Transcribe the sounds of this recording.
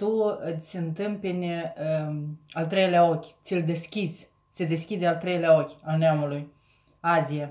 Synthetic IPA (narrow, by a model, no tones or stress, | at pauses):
t̪uɨsʲɨnt̪ɨmpenʲəalt̪ɾe̞jleao̞kʲt̪sʲild̪e̞skʲizʲ | sʲed̪e̞skʲid̪ealt̪ɾe̞jleao̞kʲalneamuluj | azija